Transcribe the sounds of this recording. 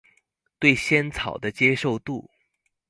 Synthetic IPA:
t̪we˥˩ɪɕjɛ˥nt͡sʰɑ˨˩ʊd̪ə˦t͡ɕjɛ˥ʂo˥˧ʊt̪u˥˩

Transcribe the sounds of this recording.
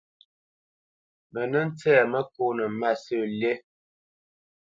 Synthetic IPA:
mə˨nə˦n̩˦t͡sɛː˦˨mə˦ko˦nə˨˦ma˦˨sə˦˨lje˦

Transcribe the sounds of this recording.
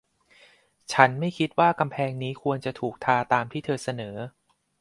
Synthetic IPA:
t͡ɕʰa˦˥nma˥˩jkʰi˦˥t̪̚waː˥˩ka˧mpʰɛː˧ŋniː˦˥kʰu˧ənt͡ɕa˨˩t̪ʰuː˨˩k̚t̪ʰaː˧t̪aː˧mt̪ʰiː˥˩t̪ʰɤː˧sa˧nɤː˩˦

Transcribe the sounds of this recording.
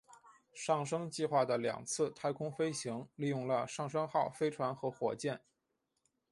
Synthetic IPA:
ʂɑ˥˩ŋʂɤ˥ŋt͡ɕi˥˧xwa˥˩d̪ə˩ljɑ̰˨˩ŋt͡sʰɹ̩˥˩t̪ʰa˥˧ɪkʰʊ˥ŋfe˥ɪɕi˧˥ŋli˥˧jʊ˥˩ŋlə˩ʂɑ˥˩ŋʂ̬ɤ˥ŋxɑ˥˩ʊfe˥ɪʈ͡ʂʰwa˧˥nxɤ˧˥xwɔ̰˨˩t͡ɕjɛ˥˩n

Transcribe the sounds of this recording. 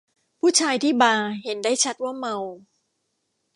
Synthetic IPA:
pʰuː˥˩t͡ɕʰaː˧jt̪ʰiː˥˩baː˧he˩˦ndaː˥˩jt͡ɕʰa˦˥t̪̚waː˥˩ma˧w

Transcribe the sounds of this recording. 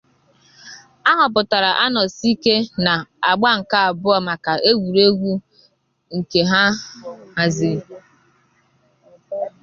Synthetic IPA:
a˦ɦʊ˨p̬ʊ˨ta˨ɾa˨ʔa˦nɔ˨si˦ke˦na˨a˨ɡ͡ba˦ŋ̩˨ka˦a˨bʊ˦ɔ˨ma˨ka˨ʔe˦ɡʷu˨ɾe˦ɡʷu˦ | ŋ̩˨ke˨ɦa˦ha˨zi˨

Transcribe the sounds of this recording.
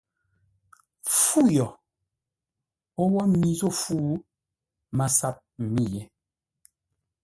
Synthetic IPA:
fu˦jɔ˨ | o˦wɔ˦mi˦zo˦˨fu˦ | ma˨sa˦p̚m̩˨mi˦˨jɛ˨

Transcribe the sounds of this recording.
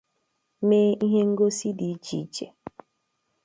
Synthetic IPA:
me˦i˦ɦe˦ŋ̩˦ɡo˦si˦di˨˦d͡ʒḭ˨˦d͡ʒḛ˨

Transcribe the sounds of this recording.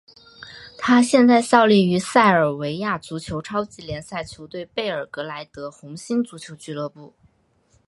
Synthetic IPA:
t̪ʰa˥ɕjɛ˥˧nt͡sa˥˧ɪɕjɑ˥˧ʊli˥˩y˧˥sa˥˩ɪə˞˨˩we˧˥ɪja˥˩t͡su˧˥t͡ɕʰjo˧˥ʊʈ͡ʂʰɑ˥ʊt͡ɕi˧˥ljɛ˧˥nsa˥˩ɪt͡ɕʰjo˧˥ʊt̪we˥˧ɪpe˥˩ɪə˞˨˩kɤ˧˥la˧˥ɪt̪ɤ˧˥xʊ˧˥ŋɕi˥nt͡su˧˥t͡ɕʰjo˧˥ʊt͡ɕy˥˧lɤ˥˧pu˥˩

